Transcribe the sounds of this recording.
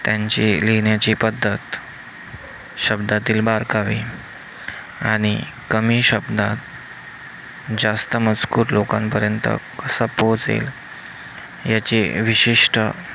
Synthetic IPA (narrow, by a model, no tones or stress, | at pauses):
t̪jãɲt͡ɕileɳjat͡ɕipəd̪ʱːət̪ | ɕəbd̪at̪iːlbaɾkaʋḭ | aɽ̃i | kəmiːɕəbd̪ʱat̪ | d͡ʑast̪əmət͡skuːɾlokãmpəɾjənt̪ə̰kəsapot͡sḛl | jat͡ɕiʋiɕiʂʈə